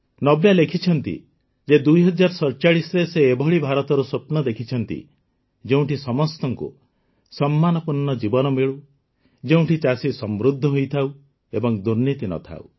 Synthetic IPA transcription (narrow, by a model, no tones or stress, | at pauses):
nɔbjalekʰit͡ʃʰɔnt̪ḭ | d͡ʒed̪ujɦɔd͡ʒaɾɔsɔɾt͡ʃaɭisɔɾeseːbʱɔɭibʱaɾɔt̪ɔɾusopnɔd̪ekʰit͡ʃʰɔnt̪ḭ | d͡ʒeũʈisɔmɔst̪ɔŋkṵ | sɔmːanɔpuɾnɔd͡ʒibɔnɔmeɭu | d͡ʒeũʈit͡ʃasisɔmɾud̪ʱːɔɦojt̪ʰauw | ebɔŋd̪uɾnit̪inɔ̰t̪ʰa̰ṵ